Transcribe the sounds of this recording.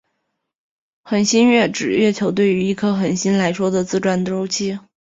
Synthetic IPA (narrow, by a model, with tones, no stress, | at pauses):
xə˨˩nɕi˥nɥɛ˥˩ʈ͡ʂɻ̩˨˩ɥɛ˥˩t͡ɕʰjo˧˥ʊt̪we˥˩ɪy˧˥i˥˩kʰɤ˥xə˨˩nɕi˥nla˧˥ɪʂwɔ˥d̪ə˨t͡sɹ̩˥˧ʈ͡ʂwa˥nʈ͡ʂo˥ʊt͡ɕʰi˥